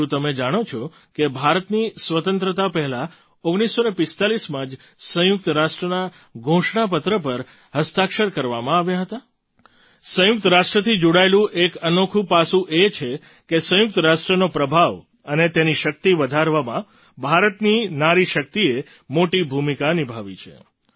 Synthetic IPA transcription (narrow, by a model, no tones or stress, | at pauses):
ũt̪əmed͡ʒaɽ̃ot͡ʃʰɔ | kebʱaɾət̪nisʋət̪ənt̪ɾət̪apɛɦɛla | oɡɽ̃isːonepɪst̪alismãd͡ʒ | sə̃jʊk̚t̪əɾaʃʈɾəna | ɡʱõʃɳap̬ət̪ɾəpəɾ | həst̪akʃəɾkəɾʋamãaʋjaɦət̪a | sə̃jʊk̚t̪əɾaʃʈɾət̪ʰid͡ʒoɽaelũʔekənokʰũpasũʔet͡ʃʰe | kesə̃jʊk̚t̪əɾaʃʈɾənopɾəbʱaʋ | ənet̪eniʃək̚t̪iʋəd̪ʱaɾʋamã | bʱaɾət̪ninaɾiʃək̚t̪ie | moʈibʱumikanibʱaʋit͡ʃʰḛ